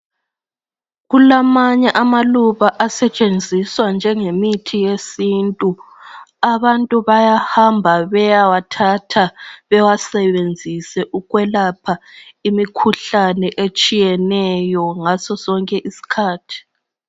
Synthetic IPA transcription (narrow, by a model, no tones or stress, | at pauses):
ɣulamaɲɛʔamaluβaʔasɛt͡ʃʼend͡zʱiswand͡ʒʱɛŋemitʰijesintʼu | aβantʼuβajahambʱaβɛjawatʰatʰaβɛwasɛβend͡zʱisɛʔuɣwɛlapʰaimikʰuɬanɛʔet͡ʃʼijɛnɛjɔŋasɔsɔŋkʼɛʔisi̥kʰaːtʰi̥